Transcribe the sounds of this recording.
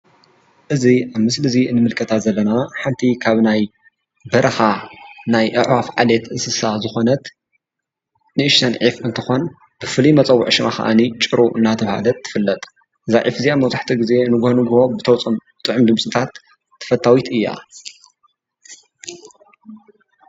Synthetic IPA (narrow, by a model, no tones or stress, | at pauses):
ʔɨziʔaβmɨslɨzinɨmɨlkʼɐt̪ʰat̪zɐlːɐnaħant̪ʰikʰaβnaj | bɐɾɐxanajʔɨ̰ʕwafʕalet̪ʔɨsɨsazɨxo̞nɐt̪ | nɨɨʃt̪ɐnʕifɨnt̪ʰɨxo̞n | b̥ɨfɨlimɐt͡sʼɐwːʊʕʃmaxɐ̰ʔa̰nit͡ʃʼɨɾuʔɨ̰nːat̪ʰɐβha̰lɐt̪ʰːɨ̥fɨlːɐt̪ʼ | zaʕifɨziaβmɐwzaħt̪ʰiɡize̞nɨɡhonɨɡho̞bɨt̪ʰɐwt͡sʼombɨt̪ʼɨʕʊmd̪ɨmsʼɨt̪ʰat̪ʰː | ɐ̥fɐt̪ʰːawit̪ʔɨjːa̰